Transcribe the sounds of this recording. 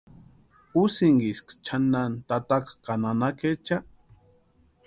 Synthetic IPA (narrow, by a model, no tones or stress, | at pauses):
usiŋɡiskt͡ʃʰanːant̪at̪akḁkananaket͡ʃa